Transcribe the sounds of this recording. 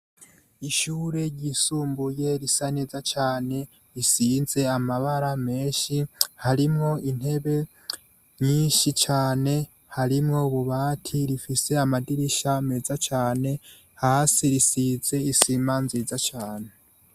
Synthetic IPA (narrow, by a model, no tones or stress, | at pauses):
iʃuːɾe̞ɟisuːmbuje̞ɾisane̞zat͡ʃaːne̞ | ɾisiːnze̞amaβaɾame̞ːʃihaɾimŋo̞ʔin̥he̞βe̞ | ɲiːnʃit͡ʃaːne̞ | haɾimŋo̞uβuβaːtʰiɾifise̞amadiɾiʃame̞zat͡ʃaːne̞ | haːsiɾisiːze̞isiːmanziːzat͡ʃaːne̞